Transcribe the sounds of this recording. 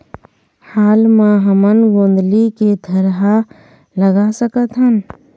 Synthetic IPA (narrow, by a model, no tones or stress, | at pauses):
haːlmãɦəmənɡõːnd̪liked̪ʱəɾɦa | ləɡasəkət̪ɦən